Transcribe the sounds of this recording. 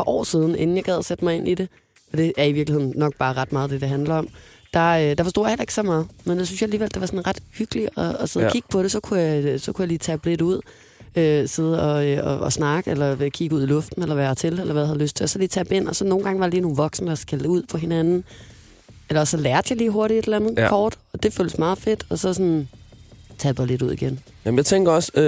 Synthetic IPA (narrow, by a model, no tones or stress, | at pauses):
pɑʔɒ̰ːsiːð̞ˠn̩e̝n̩jɑ̈ɡ̥ɛð̰ˠɐsed̥əmɑ̈ɪe̝nʔide̝ | ɒ̽d̥e̝æɐiʋiɐɡlihe̝̰nnːɒ̽ɡ̥̚b̥ɑ̈ːʁɑ̈d̥mɑ̈ːð̞ˠd̥e̝d̥e̝ɦænlɐɒ̽m | d̥ɑ̈ød̥ɑfɒ̽sto̝̰ːjhel̰ɐe̝ɡ̥əsɒmɑ̈ːð̩ˠmenjɪsynsjɑ̈æliːʋeld̥e̝ʋɑ̈sɒnʁɑ̈d̥hyɡ̥əliɒ̽ɒseðˠkiɡ̥̚pʰɒ̽ɾ̥e̝sɒ̽kʰujɑsɒ̽kʰujɑ̈liːt͡sʰæb̥le̝d̥uð̞̰ˠ | øse̝ð̞ˠɒ̽øɒːsnɑ̈ɡ̥əelɐkʰiɡ̥əuð̰ˠilɔ̽fd̥n̩elɐʋæːɐt͡sʰe̝lelɐʋæðˠhæðˠløsd̥̚t͡sʰe̝sɒliːt͡sʰæb̥e̝n̰ɒ̽sɒ̽no̝ːn̩ɡ̥ɑ̈ŋəʋɑ̥eliːnuːʋɒ̽ɡ̥səməɒsɡ̥æluð̰ˠpʰɒ̽ɦe̝nænn̩ | elɐsɒ̽læɐd̥jɑɪliːɦo̝ɐɾie̝d̥elænð̞̩ˠkʰɒːd̥ɒ̽d̥e̝føːləsmɑ̈ːð̩ˠfe̝d̥ɒ̽sɒ̽sɔn | t͡sʰæ̥ːb̥ale̝ɾuð̰ˠiɡ̥en | jæmnjaɪt͡sʰeŋɡ̥ɐɒ̽s